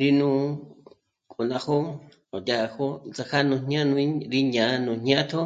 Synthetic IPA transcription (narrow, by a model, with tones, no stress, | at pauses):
ɾi˧nũ˧ | kʼu˨nã˧ho˦ | o˨da˧˨˧ho˦t͡sa˧kʰa˦nũ˧ɲɲ˦ã˦nũ˧˦ɾi˦ɲã˨˦nũ˨ɲ̥ɲjã˦t̪ʰo˦